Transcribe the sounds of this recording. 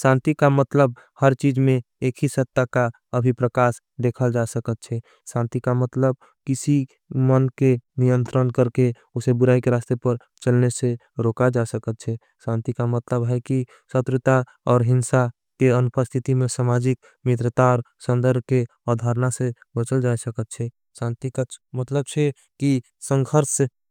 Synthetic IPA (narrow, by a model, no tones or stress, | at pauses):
sãnt̪ikamət̪ləb̚ | həɾt͡ʃid͡ʒmẽ | ekʰisət̪ːaka | əbʱipɾəkas | d̪ekʰəld͡ʒasəkət̪̚t͡ʃʰɛ | sãnt̪ikamət̪ləb̚ | kisi | mənkenijənt̪ɾənkəɾke | osebʊɾaikeɾast̪epəɾ | t͡ʃəlnese | ɾokad͡ʒasəkət̪̚t͡ʃʰɛ | sãnt̪ikamət̪ləbɦɛki | sət̪ɾɪt̪a | ɔːɾɦɪnsa | keənupəst̪ʰit̪imẽsamad͡ʒik̚ | mɪt̪ɾət̪aɾsə̃nd̪əɾbʱke | ɔd̪ʱaɾnase | bət͡ʃəld͡ʒasəkət̪̚t͡ʃʰɛ | sãnt̪ikmət̪ləb̚t͡ʃʰɛ | ki | sə̃ŋɡʱʰəɾs